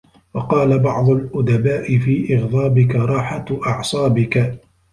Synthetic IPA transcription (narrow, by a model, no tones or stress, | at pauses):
wɑqɑːlabɑʕd̪ˤʊlʔʊd̪abaːʔɪfiːʔɪɣðˤɑːbɪkaɾˤɑːħaʔɑʕsˤɑːbɪka